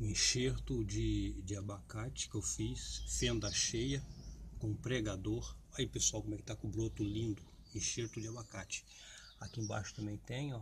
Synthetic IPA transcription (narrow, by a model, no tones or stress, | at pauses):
ĩʃeɾt̪ʊd͡ʒɪd͡ʒɪabakat͡ʃɪ̥kɪewfisfẽnd̪ɐʃejɐkõpɾeɡad̪oɾaiʊpesuawkomɛkɪ̥t̪akõbɾot̪ʊlĩnd̪ʊ | ĩʃeɾt̪ʊd͡ʒɪabakat͡ʃɪ̥ | akiẽba̰ʃʊ̥t̪ɐ̃mẽj̃t̪ẽj̃ɔ